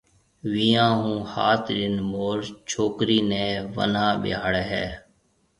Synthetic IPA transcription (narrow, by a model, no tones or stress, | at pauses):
ʋiːjãːɦũːha̰ːt̪ʰɗɪnmoːɾt͡ʃʰoːkɾiːnɛ̃ːʋə̰nãːɓɪ̰aːɽɛːɦɛ̰ː